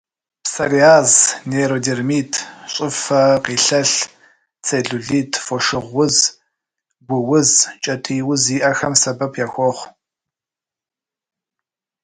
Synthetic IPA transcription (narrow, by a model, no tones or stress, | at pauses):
psɐriaːzneɾoːdeːrmiːtʰɕʼɪfɐqiːɬɐɬ | t͡sʰeːɮuɮiːtʰfoʃɨʁʷʊz | ɡʷʊwʊzt͡ʃʼɐtʰiːwʊziːʔɐxɐmsɐbɐpʰjaːxʷɔχʷ